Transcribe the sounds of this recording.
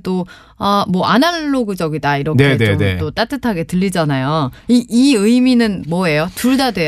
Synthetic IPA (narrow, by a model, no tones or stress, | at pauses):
t͈o | amwʌʔanaɭːoɡɯd͡ʑʌɡidaiɾʌneenenet͈ot͈at͈ʰɯtʰaɡe̞tɯʎːid͡ʑanajoiʔiɯiminɯnmwʌe̞jotuɭdadwe̞